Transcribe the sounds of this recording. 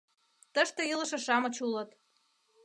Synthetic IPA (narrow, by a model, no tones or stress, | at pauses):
t̪əʃt̪ɤ̆ilə̆ʃɤ̆ʃɑmɤ̆t͡ɕulɤt̪